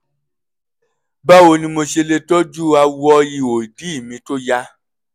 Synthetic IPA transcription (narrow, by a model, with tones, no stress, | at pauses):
ba˦o˧nĩ˧mo˧ʃe˧le˧tɔ˦d͡ʒu˦a˧wɔ˦i˧o˨i˨di˨˦i˦˨mĩ˧to˦ja˦˧